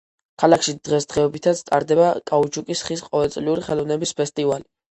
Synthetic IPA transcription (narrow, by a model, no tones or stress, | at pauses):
kʰalˠakʰʃid̪̥ʁɛsd̪ʁɛɔbit̪ʰat̪sʰt̪ʼa̰ɾd̪ɛbakʼaut͡ʃʰukʼisχisqʼɔvɛlˠt̪sʼliuɾiχɛlˠɔvnɛbispʰɛst̪ʼivali